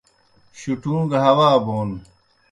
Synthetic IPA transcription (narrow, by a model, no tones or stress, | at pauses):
ɕuʈũːɡɦɐwaːboːn